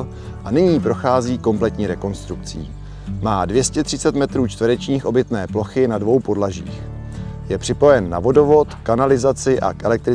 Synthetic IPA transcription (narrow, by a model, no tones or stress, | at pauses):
ʔanɪɲiːpɾo̞xaːziːko̞mplɛt̪ɲiːɾɛko̞nst̪ɾukt͡sḭː | maːdvjɛscɛt̪r̥ɪt͡sɛt̪mɛt̪ɾuːt͡ʃt̪vɾɛt͡ʃɲiːxʔo̞bɪt̪nɛːplo̞xɪnadvo̞wpo̞dlaʒḭːx | jɛpr̥ɪpo̞jɛnːa̰vo̞do̞vo̞t̪kanalɪzat͡sɪʔa̰kʔɛlɛk̚t̪ɾɪ